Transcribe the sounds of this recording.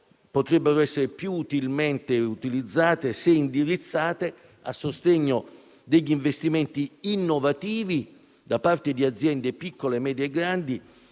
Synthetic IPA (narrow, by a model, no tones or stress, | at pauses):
pot̪ɾɛbːeɾoɛsːeɾepjuːt̪ilment̪eut̪ilid̪zːaːt̪eseind̪iɾit̪sːaːt̪e | asːost̪ɛɲːo | d̪eʎːiɱvest̪iment̪iinːovat̪iːvi | d̪apart̪ed̪iad̪zjɛnd̪epikːolemɛːd̪jeɡɾand̪i